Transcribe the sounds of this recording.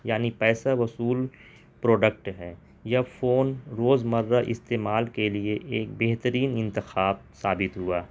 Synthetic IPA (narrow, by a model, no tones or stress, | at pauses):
jaːnipɛːsaʋɐsuːl | pɾoːɖək̚ʈɦɛː | jafoːnɾoːzmɐɾd̪aʔɪ̰st̪eːmaːlkelieʔeːk̚beɦt̪əɾiːnɪ̃nt̪ɪxaːbsaːbɪt̪ɦuaː